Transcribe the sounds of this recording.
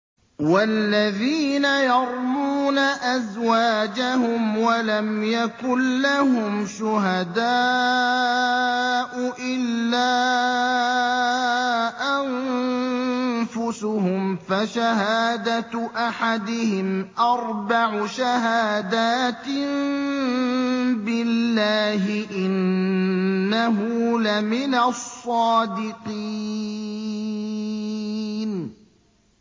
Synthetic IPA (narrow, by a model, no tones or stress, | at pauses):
walːaðiːnajɑɾˤmuːnaʔazwaːd͡ʒahʊmwalamjakʊnːahʊmʃʊɦad̪aː | ʔʊʔɪlːaː | ʔan | fʊsʊhʊmfaʃahaːd̪at̪ʔaħad̪ɪhɪmʔɑɾˤbaʕʊʃaɦaːd̪aːt̪ɪm | bɪlːaːɦɪʔɪnː | aɦulamɪnasˤːɑːd̪ɪqiː | n